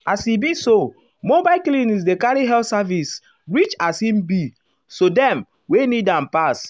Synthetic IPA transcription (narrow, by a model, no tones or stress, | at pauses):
asibiso | mobaklĩnis̬dekaɹiɦɛltsavis | ɹit͡ʃasĩmbi | sodɛ̃m | wenidãmpas